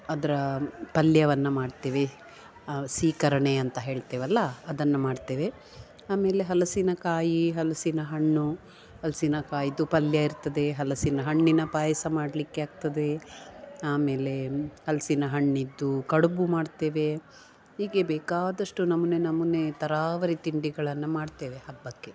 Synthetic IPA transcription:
ɐd̪ɐɾɐpɐljɐʋɐnːɐmaːɖt̪eːʋe | siːkɐɾɐɳeɐnt̪ɐɦe̞ːɭt̪eːʋɐlːɐːd̪ɐnːɐmaːɖt̪eːʋe̞ | aːme̞ːle̞ɦɐlɐsinɐkaːjiɦɐlɐsinɐɦɐɳːu | hɐlɐsinɐkaːjid̪upɐljɐiɾt̪ɐd̪e̞ɦɐlɐsinɐɦɐɳːinɐpaːjɐsɐmaːɽɐlikːe̞aːɡ̚t̪ɐd̪e̞ | aːme̞ːle̞hɐlɐsinɐɦɐɳːid̪ːukɐɽubumaːɖt̪e̞ːʋe̞ | ɦiːɡe̞bɛːkaːd̪ɐʂʈunɐmunenɐmːune̞t̪ɐɾaːʋɐɾit̪iɳɖiɡɐɭɐnːumaːɖt̪e̞ːʋehɐbːɐkːe̞

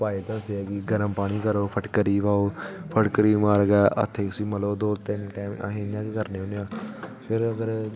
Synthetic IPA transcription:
paːiːt̪ãːʊt̪ʰːeaːkiɡəɾəmpaːɽ̃iːkəɾoːpʰəʈkəɾiːʋaːoːpʰəʈkəɾiːmaːɾɡaːʔə̰t̪ʰːeːʊsiːməloːd̪oːt̪ɪnʈɛ̃ːm̰ɦẽːjãːkːkəɾneːoneãːpʰɪɾəɡəɾ

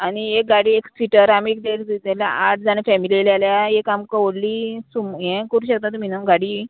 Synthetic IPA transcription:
aniek̚ɡaɽiːekfiʈəɾamiek̚d̪eɾd͡z̪it̪elja̰aʈ̚d͡zanefɛmilielialjajekamkəʋoɽliːsumɦɛ̃kəɾuːɕək̚t̪at̪um̤inaɡaɽiː

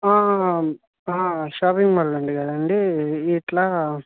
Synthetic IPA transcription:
aː | aːʃaːpiŋɡmɐlːɐɳɖikɐd̪ɐɳɖiːʈlaː

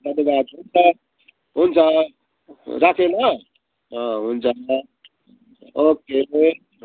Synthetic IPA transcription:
d̪ʌnebat̪ɦunt͡sʰʌ | ɦunt͡sʰʌ | ɾakʰenʌ | ɦʌ̃ɦunt͡sʰʌ | oke

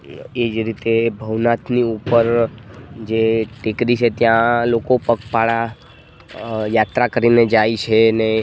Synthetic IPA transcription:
ed͡ʒɾit̪ebʱəʋnat̪ʰniupəɾ | d͡ʒeʈikɾit͡ʃʰet̪jãlokopəkpaɭa | jat̪ɾakəɾined͡ʒait͡ʃʰene

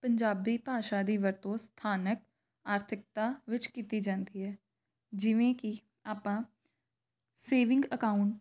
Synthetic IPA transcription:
pəɲd͡ʒaːbiːpaːʃaːd̪iːʋəɾt̪õːst̪ʰaːnək̚ | aːɾt̪ʰɪk̚t̪aːʋɪt͡ʃkiːt̪iːd͡ʒãːnd̪iːɦɛː | d͡ʒɪʋẽːki | aːpãː | seːʋɪ̃ŋɡəkaːʊɳʈ

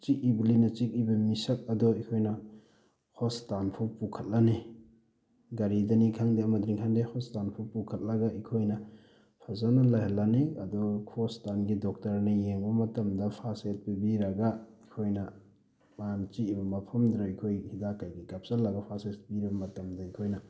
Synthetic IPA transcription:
t͡ʃikibilinɐt͡ʃik̚ibɐmisɐk̚ɐdɔikʰojnɐ | hɔstanpʰupukʰɐt̚lani | ɡaɾidɐnikʰaŋdeɐmɐdɾiŋkʰaŋdehɔstanpʰupukʰɐt̚lɐɡaikʰojnɐ | pʰazanɐlajhɐlːaniɐdɔkʰostanɡidɔk̚tɐɾnɐjeŋbɐmɐtɐmdɐpʰaset̚bibiɾɐɡaikʰojnɐ | mant͡ʃiibɐmɐpʰɐmdɾaikʰojhidakajɡikap̚sɐlːɐɡɐpʰaset̚biɾibɐmɐtɐmdɐikʰojnɐ

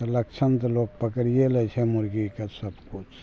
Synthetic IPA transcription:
ləkt͡ʃʰənt̪ɐloːk̚pəkɾijelet͡ʃʰemʊɾɡikesəbkʊt͡ʃʰ

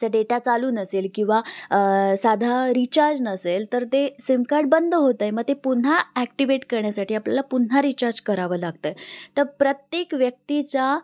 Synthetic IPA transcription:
aɖeʈat͡saluːnəselkĩw̃ʋa | sad̪ʱaɾit͡ɕaɾd͡znəselt̪əɾt̪esimkaɖ̚bənd̪ʱɦot̪ajməɡ̚t̪epun̤aæk̚ʈiʋeʈkəɾɳjasaʈiːapljalapun̤aɾit͡ɕaɾd͡zkəɾaʋəːlaɡ̚t̪əjt̪əɾpɾət̪jekʋjək̚t̪it͡ɕa

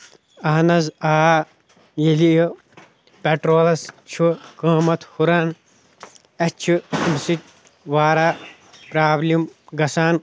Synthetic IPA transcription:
ɐɦnɐzaː | jilij | peʈɾoːlɐst͡ʃʰukə̃ːmɐt̪ʰhuɾaːn | ɐt͡ʃʰumsit̚ʲ | ʋaːɾaː | pɾaːblimɡɐsaːn

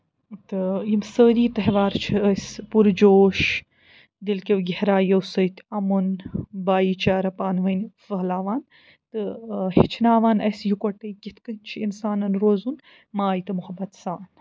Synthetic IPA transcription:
t̪ɨjimsəːɾiːt̪ɐɦʋaːɾt͡ʃʰiɐspuɾd͡ʒoːʃ | d̪ilkʲewɡehɾaːjɐwsɐjt̪ʰɐmunbaːjit͡ʃaːɾɐpaːnʋɐnfɐɦlaːʋaːn | t̪ɨhit͡ʃʰinaːʋaːnɐsjukoʈɐjkit̪ʰkɨnt͡ʃʰiinsaːnɐnɾoːzun | maːjt̪ɨmuhɐbɐt̪saːn

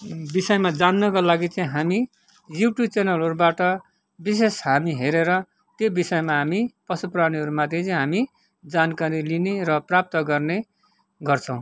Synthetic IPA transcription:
bisʌjmad͡zanːʌkalaɡit͡sʌĩɦami | juʈjut͡senʌlɦʌɾubaʈʌ | bis̬esɦamiɦeɾeɾʌ | t̪jobisʌjmaɦamipʌsupraniɦʌɾumat̪ʰjet͡sʌĩɦami | d͡zankaɾilineɾʌprap̚t̪ʌɡʌrne | ɡʌrt͡sʰʌw̃

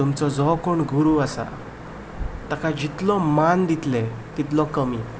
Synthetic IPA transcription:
umt͡sɔd͡zɔkoɳɡuɾuasa̰ | t̪akad͡ʑit̪lɔmand̪it̪lɛ̃ | t̪it̪lɔkəmi

